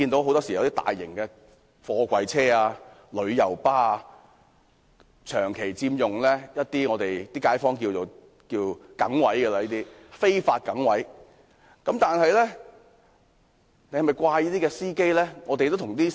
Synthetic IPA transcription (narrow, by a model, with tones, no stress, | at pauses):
iː˧nt̪o˧˥who˨˥wt̪ɔː˥siː˨ɐ˦t̪iː˥t̪a̰ː˨˩jːɪ˨˩ŋkɛː˧ | fɔː˧kʷɐ˨jt͡sʰɛː˥aː˧ | lɵ˨˧˥ɥjɐ˨˩wpaː˥˧ | t͡ʃʰœː˨˩ŋkʰe˨˩jt͡siː˧mjʊ˨˩ŋlɛː˥jɐ˥t̚t̪iː˥ŋɔː˨˧t̪e˨jt̪iː˥kaː˨˥jfɔː˥ŋkiː˧wt͡so˨w | kiː˧wkɐ̰˨˥ŋwɐ˨˥jɡɐ˧lɐ˧jiː˥t̪iː˥fe˥jfaː˧t̚kɐ˨˥ŋwɐ˨˥j | kɐ˨˥mt̪aː˨nɦɐ˨jlɛː˥ | ne˧hmɐ˨jkʷwaː˧jiː˥t̪iː˥kɛː˧siː˥ke˥jlɛː˥ŋɔː˨˧t̪e˨jt̪o˥wtʰʊ˨˩ŋt̪iː˥